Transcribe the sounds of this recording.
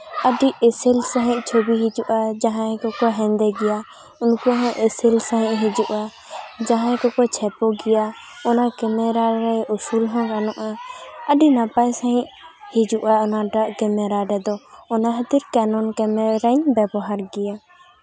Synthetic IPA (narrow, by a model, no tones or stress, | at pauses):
əɖiesilsaɦĩʔ̚t͡ʃʰobiɦid͡ʒuʔad͡ʒaɦãkɔkɔɦɛ̃nd̪ɛɡɛja | unkuaɦɔ̃ʔesilsãɦĩʔ̚ɦid͡ʒuʔa | d͡ʒaɦãɛkɔkɔt͡ʃʰɛpɔɡɛja | ɔnakɛmɛɾaɾɛusulɦɔ̃kanɔʔaəɖinapajsaɦĩʔhid͡ʒuʔaɔnaɖaʔkɛmɛɾaɾɛd̪ɔɔnaɦət̪iɾkɛnɔnkɛmɛɾaɲbɛbɔɦaɾɡɛja